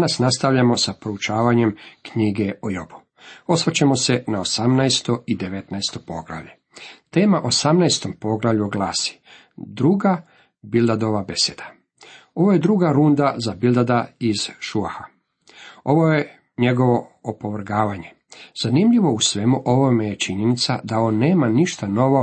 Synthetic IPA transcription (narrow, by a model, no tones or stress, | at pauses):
nasnast̪aʋʎamo̞sapɾout͡ʃaːʋaɲe̞mkɲiːɡeojobu̥ | o̞sʋat͡ɕemo̞senaosamnajst̪o̞id̪eʋe̞t̪najst̪o̞po̞̰ɡɾa̰ʋʎe | t̪e̞ːmaʔo̞samnajst̪o̞mpo̞ɡlaʋʎuoɡlˠaːsi̥ | d̪ɾuːɡa | bild̪ad̪o̞ʋabe̞sed̪̥ḁ | o̞ʋoje̞d̪ɾuːɡaɾund̪azabild̪ad̪aiz̥ʃuaxa | o̞ʋo̞je̞ | ɲe̞ɡo̞ʋo̞opoʋr̩ɡaːʋaɲe̞ | z̥animʎiʋo̞usʋe̞muʔo̞ʋomejet͡ʃiɲenit̪sa̰d̪aoːnːeːmaniʃt̪ano̞ʋo